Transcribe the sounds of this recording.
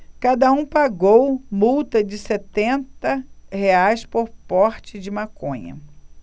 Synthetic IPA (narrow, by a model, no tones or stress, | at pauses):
kad̪ɐũpaɡowmuwt̪ɐd͡ʒɪset̪ẽnt̪ɐheajspoɾpɔɾt͡ʃɪd͡ʒɪmakõɲɐ̰